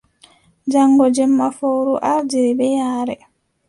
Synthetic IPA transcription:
d͡ʒaŋɡɔd͡ʒɛmːafowɾuʔaɾd͡ʒiɾibɛjaːɾɛ

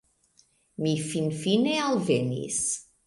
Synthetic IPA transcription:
mifinfinealvenḭs

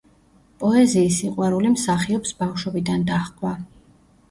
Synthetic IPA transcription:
pʼɔɛziːsːiqʼwɛɾulimsaχiɔpsbafʃwɛbid̪and̪aχkʼwa

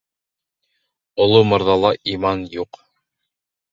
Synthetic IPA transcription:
ŏlˠomɤ̆ɾðɑlˠɑʔimɑnjuq

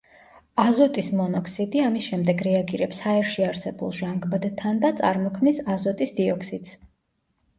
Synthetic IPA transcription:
azɔt̪ʼismɔnɔkʰsid̪iamisʃɛmd̪ɛɡɾɛaɡiɾɛpshaɛɾʃiaɾsɛbulˠʒaŋɡbad̪t̪ʰand̪at̪sʼa̰ɾmɔkʰmnisazɔt̪ʼisd̪iɔksid̪s

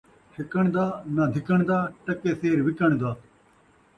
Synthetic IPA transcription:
ʃɪkəɳ̃d̪aːnad̪ʱɪkəɳ̃d̪aːʈəkeːseːɾʋɪkəɳ̃d̪aː

